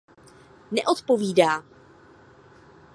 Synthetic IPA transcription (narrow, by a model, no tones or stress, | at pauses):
nɛ̰ʔot̪po̞viːdaː